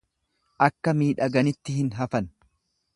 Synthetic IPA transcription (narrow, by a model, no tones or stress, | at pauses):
ʔɐkːɐmiːᶑɐɡɐnɪt̪ːɪhɪnɦɐfɐn